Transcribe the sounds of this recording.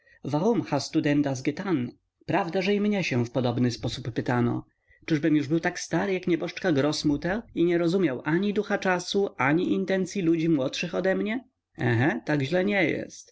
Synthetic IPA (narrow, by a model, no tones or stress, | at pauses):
vaʁumxast̪ud̪ɛnd̪azɡɛt̪an | pɾavd̪aʐɛimɲɛɕɛfpɔd̪ɔbnɘspɔsupːɘt̪anɔ̰ | t͡ʂɘʐbɘmjuʐbɘwt̪akst̪aɾɘjakɲɛbɔʂt͡ʂkaɡɾɔsmut̪ɛiɲɛɾɔzumʲjawʔaɲid̪uxat͡ʂasuʔaɲiʔint̪ɛnt̪sʲjilud͡ʑimwɔtʂɘxɔd̪ɛmɲɛ | ɛ̰̃ɦɛ̃t̪aɡʑlɛɲɛjɛ̰st̪